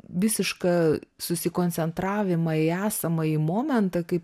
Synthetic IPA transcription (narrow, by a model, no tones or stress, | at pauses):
ʋʲɪsʲɪʃkɑːsʊsʲɪkoːnʲt͡s̪ʲɛnt̪ɾɑːʋʲɪmɐɪæːsɐmɐimoːmʲɛnt̪ɐkɐɪp